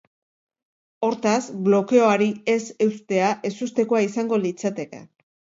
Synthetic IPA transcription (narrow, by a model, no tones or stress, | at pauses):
o̞ɾt̪asblo̞ke̞o̞aɾie̞se̞wst̪e̞aʔe̞sust̪e̞ko̞aisaŋɡo̞lit͡sat̪e̞ke̞̰